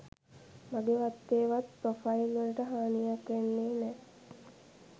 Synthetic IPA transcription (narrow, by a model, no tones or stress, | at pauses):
maɡeʋat̪ːeːʋat̪̚pɾofailʋələʈəɦaːnijakʋenːeːnɛː